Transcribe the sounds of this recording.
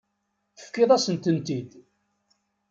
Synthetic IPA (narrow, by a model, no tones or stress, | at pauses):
θə̥fkːɪðˤæsənt̪ənt̪id̪